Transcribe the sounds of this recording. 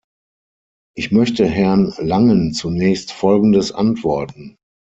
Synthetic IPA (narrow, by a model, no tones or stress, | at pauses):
ʔɪçmœçtəɦɛɐnlaŋənt͡sunɛːçstfɔlɡn̩dəsʔa̰ntv̥ɔɐtn̩